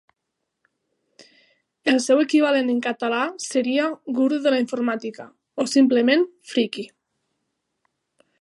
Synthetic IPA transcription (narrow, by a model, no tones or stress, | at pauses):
elsewe̞kiβ̞aleneŋkat̪alaseɾiaɡuɾðuðelaiɱfoɾmat̪ika | osimplemenfɾiki